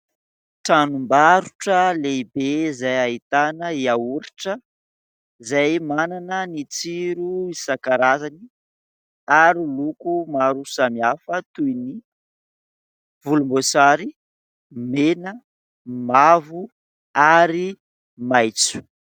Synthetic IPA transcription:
ʈ͡ʂanumbaɾuʈ͡ʂəlebezajait̪anəiauɾiʈ͡ʂə | zajmananənit͡siɾuisakaɾazani | aɾilukumaɾusamiafət̪ujni | vulumbosaɾi | menə | mavu | aɾi | majt͡su̥

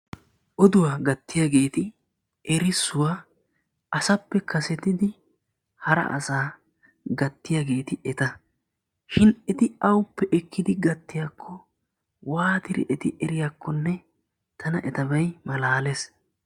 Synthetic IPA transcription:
ʔɔd̪ʊwaːɡɐt̪ːɪjaːɡe̞ːt̪ɪ | ɛɾɪsːʊwaː | ʔɐsɐpːɛkʰɐsɛt̪ɪd̪ɪ | hɐɾɐ̰ʔɐ̰saː | ɡɐt̪ːɪjaːɡe̞ːt̪ɪʔɛt̪ɐ | ʃɪnɛt̪ɪɐwʊpːɛʔɛkːɪd̪ɪɡɐt̪ːɪjaːkʰːɔ | waːt̪ɪɾɪ̰ʔɛt̪ɪʔɛɾɪjaːkːɔnːɛ | t̪ʰɐnɐʔɛt̪ɐbɐjmɐlaːles

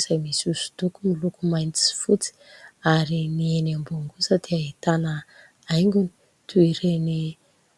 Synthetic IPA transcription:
z̥ajmisusu̥d̪ukumilukumajni̥si̥fut͡si̥aɾinienambuŋɡusat̪ʰiait̪anə | ajŋɡuni̥ | t̪ʰuiɾeni

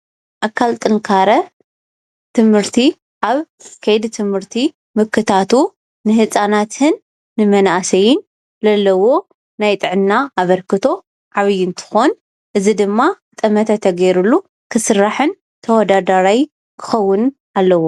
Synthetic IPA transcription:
ʔakʰːalt̪ʼɨŋkʰaɾɐ | t̪ʰɨmhɨɾt̪ʰi | ʔaβ | kʰɐjd̪it̪ʰɨmhɨɾt̪ʰi | mɨkʰːɨt̪ʰat̪u | nɨhɨt͡sʼanat̪hɨnː | ɨmɐnaʔasɐjɪn | zɐlːɐwo̞ | najt̪ʼɨʕɨnːaaβɐɾkɨt̪ʰo̞ | ʕaβɨjːɪnt̪ʰɨ̥xon | ʔɨzid̪ɨmːa | t̪ʼɐmɐt̪ʰɐt̪ʰɐɡɐɾulːu | kʰɨsɨɾaħɨn | t̪ʰɐwɔd̪ad̪aɾaj | kʰɨ̥xɐwːʊn | ʔalːɐwo

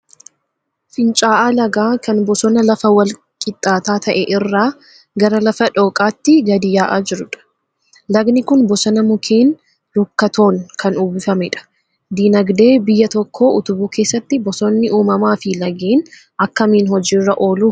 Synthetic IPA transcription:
fɪnt͡ʃʼaːʔaːlɐɡaːkɐnbɔsɔnɐlɐfɐwɐl | kʼɪt̪ʼːaːt̪aːt̪ʰɐʔɛʔɪrːaː | ɡɐɾɐlɐfɐᶑo̞ːkʼaːt̪ːɪɡɐd̪ɪjaːʔaːd͡ʒɪɾʊᶑɐ̥ | lɐɡnɪkʊnbɔsɔnɐmʊkʰeːn | lʊkːɐt̪o̞ːŋkʰɐnuːbɪfɐmɛᶑɐ̥ | d̪iːnɐɡd̪e̞ːbɪjːɐt̪ɔkʰːo̞ːʔʊt̪ʊbuːke̞ːsːɐt̪ːɪbɔsɔnːɪʔuːmɐmaːfɪlɐɡeːn | ɐkːɐmiːnhɔd͡ʒiːrːɐʔo̞ːluː

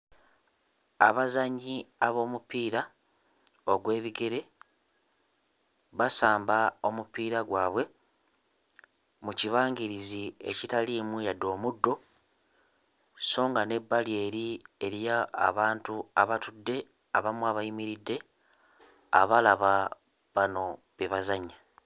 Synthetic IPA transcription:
aβazaɲːiaβo̞ːmupiːɾa | oɡwe̞ːβiɡe̞ɾe̞ | βasaːmbao̞mupiːɾaɡwaːβwe̞ | muciβaːŋɡiɾizie̞̰citalimujadːo̞ːmudːo̞ | so̞ːŋɡane̞bːalie̞ːɾie̞ɾja̰ːβaːntuaβatudːe̞ | aβamwaβajimiɾidːe̞ | a̰βalaβa | βano̞ | βeβazaɲːa

